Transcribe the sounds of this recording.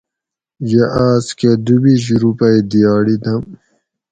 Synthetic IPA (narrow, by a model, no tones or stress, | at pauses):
jeʔaːsked̪ubiɕ̬ɾupɐid̪ijaːɽid̪ɐm